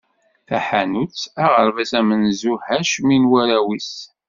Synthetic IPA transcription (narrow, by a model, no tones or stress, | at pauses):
θæħænut͡sæʁəɾvæsæmənzuhæʃminwæɾæwis